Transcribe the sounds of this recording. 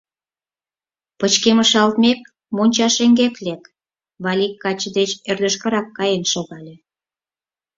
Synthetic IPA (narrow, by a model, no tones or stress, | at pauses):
pət͡ɕkeməʃɑlt̪mek̚ | monʲt͡ɕɑʃeŋɡeklek | βɑlʲikːɑt͡ɕəd̪et͡ɕerd̪ə̆ʃkəɾɑkːɑjenʃoɣɑlʲe